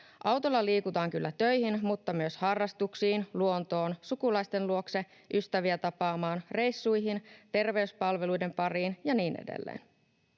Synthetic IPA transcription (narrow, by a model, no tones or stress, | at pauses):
ʔɑwt̪olːɑliːkut̪ɑːŋkylːæt̪ø̞jhinmut̪ːɑmyøshɑrːɑst̪uksiːnluo̞nt̪o̞ːnsukulɑjst̪e̞nluo̞kse̞ | ʔyst̪æʋiæt̪ɑpɑːmɑːnre̞jsːujɦint̪e̞rʋe̞yspɑlʋe̞lujde̞mpɑriːnjɑniːnʔḛdḛlːḛːn